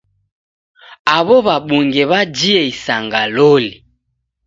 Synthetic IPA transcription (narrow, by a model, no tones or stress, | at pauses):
aβɔβaɓuŋɡɛβad͡ʒiɛisaŋɡalɔli